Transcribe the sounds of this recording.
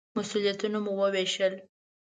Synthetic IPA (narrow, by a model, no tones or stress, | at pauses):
masulijat̪unomuwəweʃəl